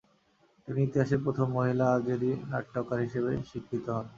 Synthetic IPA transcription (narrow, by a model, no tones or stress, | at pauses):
t̪iniit̪eaʃep̬ɾot̪ʰomːoɦilaaɡeɾina̰ʈʈːɔkaɾɦiʃebeʃikʰɾit̪oɦɔn